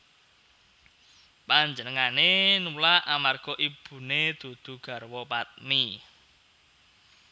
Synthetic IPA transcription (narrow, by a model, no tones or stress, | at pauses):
paɲd͡ʒənəŋanenulaʔamarɡ̥ɔ̤ʔib̥ṳned̪̥o̤d̪̥ṳɡ̥a̤rwɔpat̪̚mi